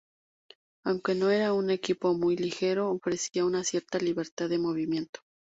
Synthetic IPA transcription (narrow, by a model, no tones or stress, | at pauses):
awŋke̞no̞e̞ɾaune̞kipo̞mujlixe̞ɾo̞ːfɾe̞siaunasje̞ɾt̪aliβe̞ɾt̪aððemo̞β̞imje̞nt̪o